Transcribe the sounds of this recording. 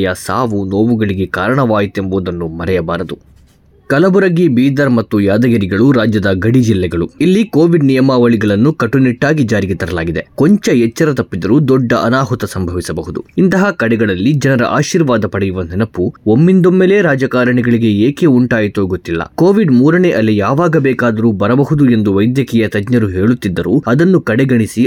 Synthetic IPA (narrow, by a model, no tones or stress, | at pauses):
jɐsa̰ːʋunoːʋuɡɐɭiɡe̞kaːɾɐɳɐʋaːjit̪e̞mboːd̪ɐnːumɐɾɛjɐbaːɾɐd̪u | kɐlɐbuɾɐɡibiːd̪ɐɾmɐt̪ːujaːd̪ɐɡɐɾiɡɐɭuɾaːd͡ʒjɐd̪ɐɡɐɽid͡ʒilːɛɡɐɭuilːikoːʋiɖnijɐmaːʋɐɭiɡɐɭɐnːukɐʈːuniʈːaːɡid͡ʒaːɾiɡet̪ɐɾɐlaːɡid̪e̞koɲt͡ʃɐɛt͡ʃːɐɾɐt̪ɐpːid̪ɐɾuːd̪ɔɖːɐʔɐnaːɦut̪ɐsɐmbʱɐʋisɐbɐɦud̪ṵint̪ɐɦɐkɐɽɛɡɐɭɐlːid͡ʒɐnɐɾɐ̰ʔa̰ːʃiːɾʋaːd̪ɐpɐɽɛjuʋɐnɛnɐpuomːind̪omːeːle̞ːɾaːd͡ʒɐkaːɾɐɳiɡɐɭiɡe̞eːke̞uɳʈaːjit̪oːɡot̪ːilːɐ̰ko̞ːʋiɖmuːɾɐneʔɐlijaːʋaːɡɐbɛːkaːd̪ɐɾuːbɐɾɐbɐɦud̪ue̞nd̪uʋɐjd̪jɐkɛjɐt̪ɐd͡ʒɲɐɾuɦe̞ːɭut̪ːid̪ːɐɾuːɐd̪ɐnːukɐɽɛɡɐɳisi